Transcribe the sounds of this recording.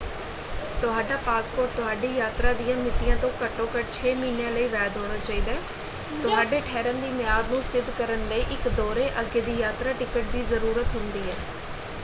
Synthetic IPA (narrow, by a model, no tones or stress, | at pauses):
t̪ʊɦaːɖaːpaːspoːɾʈ̚t̪ʊɦaːɖiːjaːt̪ɾaːd̪ijãːmɪt̪ɪjãːt̪õːkəʈːõːkəʈt͡ʃʰeːmiːnjãːləiːʋɛːd̪ɦoːɽ̃aːt͡ʃaːiːd̪aː | t̪ʊɦaːɖeːʈʰɛːɾənd̪iːmɪjaːd̪nũːsɪd̪ʱkəɾənləiːʔɪkd̪oːɾeːʔəɡeːd̪iːjaːt̪ɾaːʈɪkəʈ̚d̪iːzəɾuːɾət̪ɦʊnd̪iːɦɛː